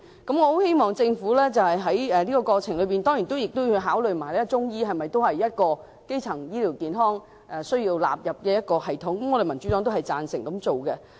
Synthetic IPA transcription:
kɐ˨˥mŋɔː˨˧ho˨˥whe˥jmɔː˨ŋt͡sɪ˧ŋfuː˨˥lɛː˥t͡sɐ˨whɐ˨jɦɐ˨˥jɛː˨liː˥kɔː˧kɔː˧t͡sʰɪ˨˩ŋlɵ˨˧ɥpiː˨nt̪ɔː˥ŋji˨˩nt̪o˥wjɪ˨k̚t̪o˥wɵ˧jɦaː˨˥wlɵ˨ɥmaː˨˩jlɛː˥t͡sʊ˥ŋjiː˥ɦɐ˨jmɐ˨jt̪o˥whɐ˨jːɐ˥t̚kɔː˧ | ke˥jt͡sʰɐ˨˩ŋjiː˥liː˨˩wkiː˨nɦɔː˥ŋ | ʔɛ˨sɵ˥ɥjiː˧wla̰ː˨p̚jɐ˨p̚kɛ˨˧jɐ˥t̚kɔː˧hɐ˨˩jt̪ʰʊ˨˥ŋkɐ˨˦mŋɔː˨˧de˨jmɐ˨˩nt͡ʃy˨˥tɔː˨˥ŋt̪o˥whɐ˨jt͡saː˨nsɪ˨˩ŋkɐ˨˥mt͡so˨wkɛ˧

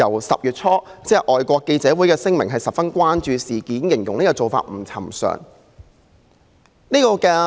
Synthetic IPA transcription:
ɐ˨˩wsɐ̰˨p̚jyː˨t̚t͡sʰɔː˥t͡sɛː˧˥ʔɔː˨jkʷɔː˧kːe˧jt͡sɛː˨˥wuː˨˥jkɛː˧sɪ˥ŋmɪ˨˩ŋɦɐ˨jsɐ˨p̚fɐ˥nkʷaː˥nt͡ʃyː˨˧siː˨˩kiː˨˥njɪ˨˩ŋjʊ˨˩ŋne˥kɔː˧t͡so˨wfa̰ː˧t̚m̩˨˩t͡sʰɐ̰˨˩msœ̰ː˨ŋ | niː˥kɔː˧kɛː˧

